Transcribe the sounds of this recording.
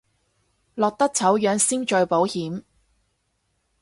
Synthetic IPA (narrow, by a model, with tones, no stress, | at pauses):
lɔː˨k̚t̪ɐ˥k̚t͡sʰɐ˨˥wjœː˨˧˥ŋsiː˥ŋt͡ʃɵ˨˧ɥpo˨˥whiː˨˥m